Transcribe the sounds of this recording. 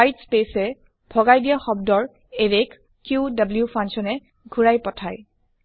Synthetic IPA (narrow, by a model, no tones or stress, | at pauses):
ajtspesɛ | b̥ʱɔɡajdijaxɔb̚dɔɹ | eɹekː | judabljufʰansɔnɛ | ɡʱuɹajpɔtʰaj